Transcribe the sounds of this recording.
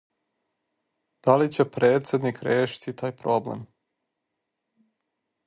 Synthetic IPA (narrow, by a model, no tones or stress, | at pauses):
d̪̥alit͡ɕepɾeːt̪sjed̪nikɾeːʃi̥t̪ʰit̪aːjpɾo̞blḛm